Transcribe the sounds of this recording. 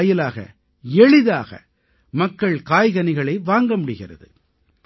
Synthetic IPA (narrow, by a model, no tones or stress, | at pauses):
jɪlaːɣɐ̰ | ɛɻɪðaːɣɐ̰ | mɐkːɐɭkaːjɣɐnɪɣɐɭɐɪʋaːŋɡɐmʊɽɪɣɪrɐ̰ðɯ̰